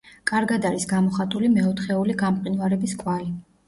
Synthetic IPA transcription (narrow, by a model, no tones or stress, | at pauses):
kʼaɾɡad̪aɾisɡamɔχat̪ʼulimɛɔt̪ʰχɛuliɡamqʼinvaɾɛbiskʼwali